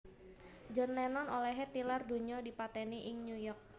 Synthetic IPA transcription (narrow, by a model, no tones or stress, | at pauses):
d͡ʒɔnlɛnɔnolɛɦet̪ilarduɲɔdipat̪eniʔɪŋnujɔrk̚